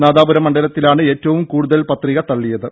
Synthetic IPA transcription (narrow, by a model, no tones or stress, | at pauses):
naːdaːbɐɾɐmːɐɳɖɐlɐt̪ːilaːɳɨe̞ːtːɐʋumkuːɽuðɐlpɐt̪riɣɐt̪ɐɭːijɐðɨ